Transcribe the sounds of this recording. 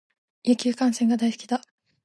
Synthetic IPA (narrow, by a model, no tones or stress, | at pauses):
jakʲɨːkãɰ̃sẽŋɡad̪aisɨ̥kʲid̪a